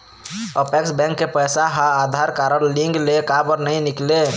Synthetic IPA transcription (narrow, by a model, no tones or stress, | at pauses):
əpɛksbɛ̃ŋkːepəjsaɦaːd̪ʱaɾkaɾəlliŋɡlekabəɾnəjnikle